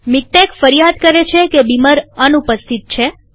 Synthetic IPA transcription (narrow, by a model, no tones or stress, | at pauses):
mik̚ʈekfəɾijad̪̚kəɾet͡ʃʰekebiməɾənupəst̪ʰit̪̚t͡ʃʰe